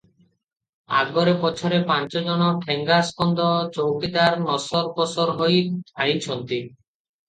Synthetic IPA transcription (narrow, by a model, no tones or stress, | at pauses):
a̰ɡɔɾepɔt͡ʃʰɔɾepant͡ʃɔd͡ʒɔnɔʈʰeŋɡaskɔnd̪ɔt͡ʃowkid̪aɾnɔsɔɾpɔsɔɾɦojajt͡ʃʰɔnt̪i